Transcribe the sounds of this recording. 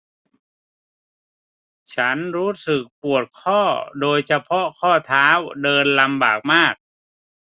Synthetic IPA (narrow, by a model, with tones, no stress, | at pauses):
t͡ɕʰa˦˥nɾuː˦˥sɯ˨˩k̚pu˨˩ət̪̚kʰɔː˥˩doː˧jsa˧pʰɔ˦˥kʰɔː˥˩t̪ʰaː˦˥wdɤː˧nla˧mba̰ː˨˩k̚maː˥˩k̚